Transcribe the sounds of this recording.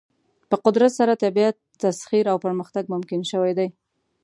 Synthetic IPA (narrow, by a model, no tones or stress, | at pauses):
pəqʊd̪ɾat̪saɾat̪abijat̪ːasxiɾawpəɾməxt̪aɡ̚mʊmkɪnʃəwajd̪aj